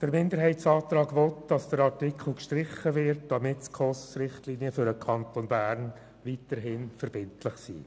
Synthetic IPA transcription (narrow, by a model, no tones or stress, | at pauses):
d̥əɾmɪndəɾɦɛɪtsɑːt̪ɾɑːɡʋɔtd̥ɑsd̥əɾɑɾtɪkʰl̩ˠkʃtɾɪχːəvɪɾtd̥ɑmɪtskʰχɔsɾɪχtliːniəfʏɾəkʰɑntonbæːɾn | vitəɾɦɪnfəɾb̥ɪntʰlɪχsḭː